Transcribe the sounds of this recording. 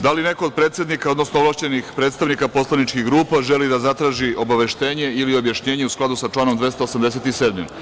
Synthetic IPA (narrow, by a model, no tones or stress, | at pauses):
d̪alineko̞od̪̚pɾe̞ːt̪sʲe̞d̪nikaod̪no̞snooʋlˠaʃt͡ɕe̞nixpɾe̞ːt̪st̪aʋnikapo̞slˠanit͡ʃkiɣɡɾuːpaʒelid̪azat̪ɾaːʒio̞baʋe̞ʃt̪e̞ːɲe̞ilio̞bjaʃɲe̞ːɲeusklˠad̪usat͡ʂlˠaːno̞md̪ʋest̪oːsamd̪e̞set̪iseːd̪mḭ